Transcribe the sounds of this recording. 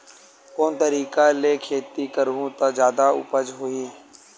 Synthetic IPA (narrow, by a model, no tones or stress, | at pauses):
koːnt̪əɾiːkaleːkʰeːt̪ikəɾũːt̪ãd͡ʒjaːd̪aʊ̰pəd͡ʒɦoiː